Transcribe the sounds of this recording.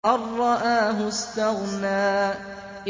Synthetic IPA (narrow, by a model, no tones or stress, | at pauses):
ʔɑrˤːɑʔaːɦʊst̪aɣnaː